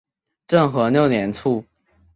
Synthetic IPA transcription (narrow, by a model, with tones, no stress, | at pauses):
ʈ͡ʂɤ˥˩ŋxɤ˧˥njo˥˩ʊnjɛ˧˥nt͡sʰu˥˩